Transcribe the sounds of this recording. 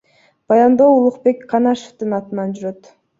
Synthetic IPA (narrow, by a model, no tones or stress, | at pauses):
b̥ɑjɑnd̪o̞ulˠuqpe̞kqʰɑnɑʃo̥ft̪ɯnɑt̪ɯnɑnd͡ʒyɾøt̪